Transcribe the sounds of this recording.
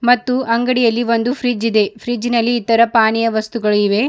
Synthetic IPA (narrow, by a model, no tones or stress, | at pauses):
mɐt̪ːuɐŋɡɐɽijɐlːiʋo̞nd̪upʰɾiːd͡ʒid̪e̞pʰɾid͡ʒinɐlːiːt̪ːɐɾɐpaːnijɐʋɐst̪uɡɐɭiʋe̞